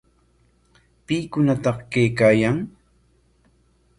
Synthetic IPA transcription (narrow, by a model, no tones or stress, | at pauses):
pɪkʊnat̪ɑχkajkaːjaŋ